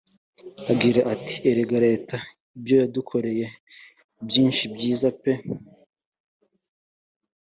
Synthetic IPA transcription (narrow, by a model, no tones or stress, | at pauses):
aɡiɾaʔati̥eɾeɡaɾe̞ːta | ibjo̞jadukʰo̞ɾe̞je̞ | bjiːnʃibjiːzape̞